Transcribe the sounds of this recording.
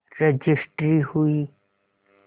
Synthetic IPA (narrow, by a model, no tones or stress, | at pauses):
ɾed͡ʒɪsʈɾihui